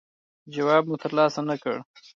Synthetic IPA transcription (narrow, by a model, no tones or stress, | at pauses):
d͡ʒawɑbmut̪əɾlɑsanakə̰ɽ